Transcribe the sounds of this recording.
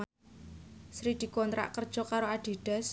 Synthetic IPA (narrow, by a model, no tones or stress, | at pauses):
sɾid̪̥i̤kɔnt̪ɾa̰ʔkərd̥ʒ̥ɔ̤kaɾoad̪̥i̤ɖ̪̥ɛ̤s